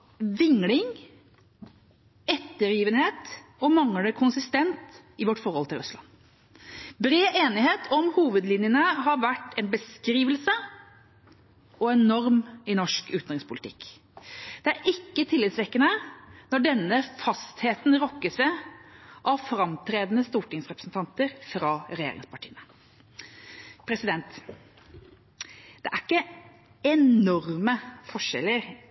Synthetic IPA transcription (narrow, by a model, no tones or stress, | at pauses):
ʋɪŋlɪŋ | ɛt̪ːəɾjiːʋənheːt̪ɔmɑŋləkʰʊnsɪst̪ɛnt̪ɪʋɔʈːfɔɾhɔlt̪ʰɪlɾʉslɑ̰n | bɾeːʔeːnɪheːt̪ʰɔmhuːʋəd̪lɪnjənəɦɑɾʋæʈːɛnbəskɾiːʋəlsə | ɔɛnnɔɾmɛnɔʂkʉːt̪nʁɪŋspʰʊlt̪ʰɪ̰kː | d̪̥ɛæɾɪkːət̪ʰɪlːɪːt̪sʋɛkːənənɔɖɛnːəfɑst̪heːt̪nɾɔkːəsʋɛ | ʔɑʋfɾɑmt̪ʰɾeːd̪n̩əst̪uːʈɪŋsɾɛpɾəsn̩t̪ɑnt̪əɾfɾɑːɾɛjḛɾɪ̰ŋspɑʈʰḭːənə | pʰɾɛsɪd̪ɛnt̪ | d̪ɛʔæɾɪkːə | ɛnɔɾməfɔʂɛ̰lːəɾ